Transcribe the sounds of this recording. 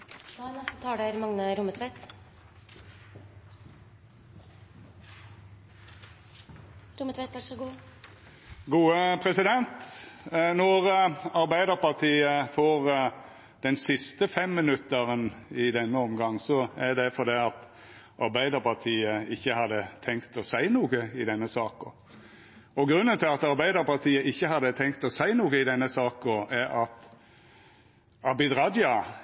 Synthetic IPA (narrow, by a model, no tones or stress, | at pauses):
nɛst̪ət̪ʰɑːɖæɾmɑŋnəɾʊmət̪ʰʋɛt̪ | ɾʊmət̪ʰʋɛt̪ʋæʈʂɔɡuː | ɡuːəpʰɾɛsɪd̪ɛnt̪ | nɔɾɑɾbæɪd̪əʁpɑʁt̪ʰiːəfoːʁ | d̪ɛnsɪst̪əfɛmːɪnʉt̪əʁənɪd̪ɛnːəɔmɡɑŋːsɔɛd̪ɛfɔɾd̪iɑt̪ | ʔɑɾbæɪd̪əɾpʰɑt̪ʰiːəɪçːəhɑd̪ət̪ʰɛŋkt̪ɔsæɪnuːɡəɪd̪ɛnːəsɑːkə | ɔɡɾʉnːənt̪ɪlɑt̪ɑɾbæɪd̪əɾpɑt̪ʰiːəʔɪçːəhɑd̪ət̪ʰɛŋkt̪ɔsæɪnuːɡəɪd̪ɛnːəsɑːkəæɑt̪ | ɑbɪd̪ɾɑd̪jɑ